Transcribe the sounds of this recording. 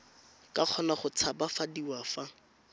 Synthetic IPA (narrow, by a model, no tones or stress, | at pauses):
kaq͡χʰɔnaχʊt͡sʰabafadiwafa